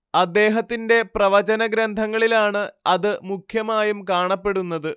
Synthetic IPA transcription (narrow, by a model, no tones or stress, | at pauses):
ɐd̪ːe̞ːɦɐt̪ːinde̞prɐʋɐt͡ɕɐnɐɡɾɐnd̪ʱɐŋːɐɭilaːɳɨɐðɨmukʰjɐmaːjumkaːɳɐpːe̞ɽunːɐðɨ